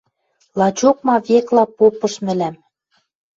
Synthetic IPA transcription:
lˠɑt͡ɕok̚mɑβeklɑpopɤ̆ʃmɘ̆læm

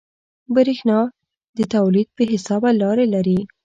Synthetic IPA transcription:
bəɾixnɑ | d̪ət̪awlid̪̚pəɦɪsɑbalɑɾelaɾi

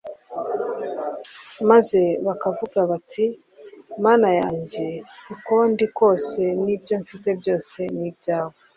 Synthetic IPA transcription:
maze̞βakavuɡaβatʰi | maːnajaːɲɟe̞ikondiko̞ːse̞nibjo̞ɱfite̞bjo̞ːse̞nibjaːwo

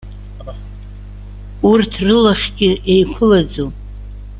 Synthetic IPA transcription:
urtʰrɨlaχʲɡʲɪʔejkʷʰʊlad͡zo

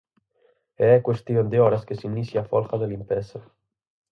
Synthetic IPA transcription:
eɛkwest̪iond̪eɔɾaskesinisjafɔlxaðelimpɛsa

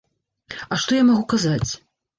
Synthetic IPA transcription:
ɐʂt̪ɔjamaɣukazat͡sʲ

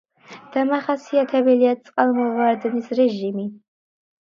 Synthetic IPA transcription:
d̪̥amaχasiat̪ʰɛbɛliat̪sʼqʼalˠmɔvaɾd̪nisɾɛʒimi

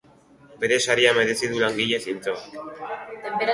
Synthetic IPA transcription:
be̞ɾe̞saɾiame̞ðe̞siðulaŋɡiʎe̞sint͡soak̪ | m

